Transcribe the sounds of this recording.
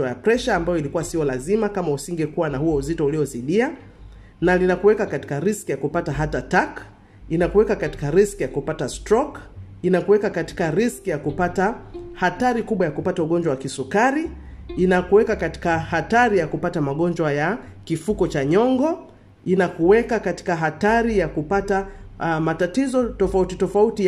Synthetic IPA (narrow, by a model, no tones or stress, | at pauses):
ajapɾɛʃaːmbajɔilikuwasiɔlazimakamausiŋɡɛkuwanahuwɔuzitɔuliɔziɗia | nalinakuwɛkakati̥kaɾiskijakupataɦatatak | inakuwɛkakati̥kaɾiskijakupatastɾɔkinakuwɛkakati̥kaɾiskijakupatahataɾikuɓwajakupatauɠɔnd͡ʒwawakisukaɾi | inakuwɛkakati̥kahataɾijakupatamaɠɔnd͡ʒwaja | kifukɔt͡ʃaɲɔŋɡɔ | inakuwɛkakati̥kaɦataɾijakupatamatatizɔtɔfautitɔfauti